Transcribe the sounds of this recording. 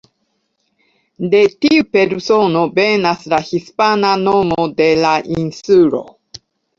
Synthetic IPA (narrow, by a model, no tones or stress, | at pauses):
d̪et̪iɯ̟peɾɯ̟sonobenasɨɾaçisɨ̥pananomod̪elaʔĩnsɨːɾo̰